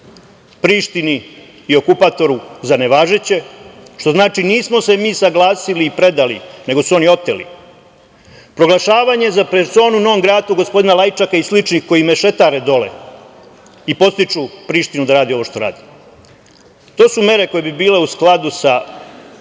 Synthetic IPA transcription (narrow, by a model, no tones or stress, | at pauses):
pɾiːʃt̪ini | io̞kupat̪o̞ɾuzane̞ʋaːʒet͡ɕe̞ʃt̪o̞znaːt͡ʃiniːsmo̞se̞miːsaɡlˠaːsiliːpɾe̞d̪alḭne̞ɡo̞suo̞nio̞t̪elḭ | pɾo̞ɡlˠaʃaːʋaɲezapɾet̪so̞ːnuno̞omɡɾaːt̪uɡo̞spod̪inalajit͡ʃakaislit͡ʃnixko̞jimeʃe̞t̪aɾed̪o̞lḛ | ipo̞t̪st̪it͡ʃupɾiːʃt̪inud̪aɾaːd̪io̞ʋo̞ʃt̪o̞ɾa̰ːd̪i | t̪o̞ːsume̞ɾe̞ko̞je̞bibiːle̞usklˠad̪usa